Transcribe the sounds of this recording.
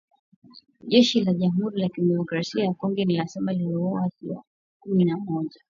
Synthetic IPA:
ʄɛʃilaʄam̩huɾilakimɛmɔkɾasiajakɔŋɡɛnilasɛmaliiɔwasiwa̰ | kuminamɔʄa

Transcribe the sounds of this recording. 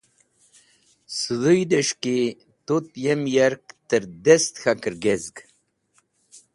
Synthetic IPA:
sɨðujd̪eʂki | t̪ut̪jemjaɾk̚t̪əɾd̪est̪xakəɾɡezɡ

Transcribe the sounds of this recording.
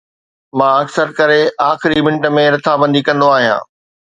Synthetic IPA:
mãːɐksəɾkɐɾeaːxɪɾimɪ̃ɳʈəmẽɾɐt̪ʰabɐ̃nd̪ʱikɐ̃nd̪oaːɦijã̰ː

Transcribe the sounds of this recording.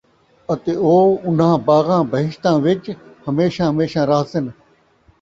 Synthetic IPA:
ət̪eːoːʊn̤ãːbaːɣãːbəɦɪʃt̪ãːʋɪt͡ʃhəmeːʃãːɦəmeːʃãːɾaɦsɪn

